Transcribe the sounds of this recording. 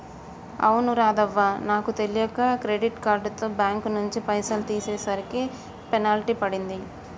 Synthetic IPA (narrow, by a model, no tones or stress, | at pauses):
ɐ̰wunuɾaːd̪ɐʋːanaːkut̪e̞lijɐkakɾeɖiʈkaːɾɖt̪o̞ːbjaːŋknuɲt͡ʃipɐjsɐlt̪iːsɛːsaːɾiki | pɛnaːliʈipɐɽind̪i